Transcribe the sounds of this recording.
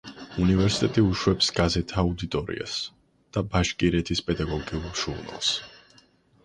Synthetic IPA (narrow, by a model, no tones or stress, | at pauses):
univɛɾsi̥t̪ʼɛt̪ʼiuʃwɛpsɡ̥azɛt̪ʰaːud̪it̪ʼɔɾḭa̰s | d̪̥abaʃkʼiɾɛt̪ʰispʼɛd̪aɡɔɡiuʒuɾna̰lˠs